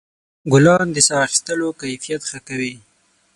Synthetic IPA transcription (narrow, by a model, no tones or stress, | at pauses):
ɡʊlɑnd̪əsɑxist̪əlokajfijat̪xəkawi